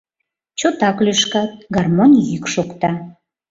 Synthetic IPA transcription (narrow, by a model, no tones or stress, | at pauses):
t͡ɕot̪ɑklyʃkɑt̪̚ɡɑrmonʲjykʃukt̪ɑ